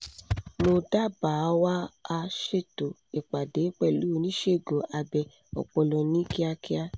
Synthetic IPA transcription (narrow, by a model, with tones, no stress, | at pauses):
mo˧da˦˨ba˨˦wa˦a˧ʃe˦˨to˨ | e˨k͡pa˨de˨˦k͡pɛ˦˨lu˨˦˨nĩ˦ʃe˦˨ɡo˨ʔa˧bɛ˧ | ɔ̰˨k͡pɔ˧lɔ˧nĩ˦ki˦a˧ki˦a˦